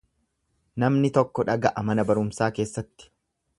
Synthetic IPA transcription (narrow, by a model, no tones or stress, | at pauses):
nɐmnɪt̪ɔkːɔᶑɐɡɐʔɐmɐnɐbɐɾʊmsaːke̞ːsːɐt̪ːɪ̥